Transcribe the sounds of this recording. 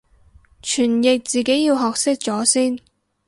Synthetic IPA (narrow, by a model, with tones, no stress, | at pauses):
t͡ʃʰyː˨˩njɪ˨k̚t͡siː˨˩ke˨˥jjiː˧wɦɔː˨k̚sɪ˥k̚t͡sɔː˨˥siː˥n